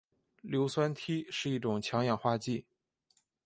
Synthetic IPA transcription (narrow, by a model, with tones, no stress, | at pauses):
ljo˧˥ʊswa˥nt̪ʰi˥ʂɻ̩˥˧i˥˩ʈ͡ʂʊ˨˩ŋt͡ɕʰjɑ˧˥ŋjɑ˨˩ŋxwa˥˧t͡ɕi˥˩